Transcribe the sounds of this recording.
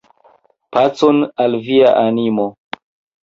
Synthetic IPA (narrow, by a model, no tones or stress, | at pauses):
pat͡sonalviaʔanimo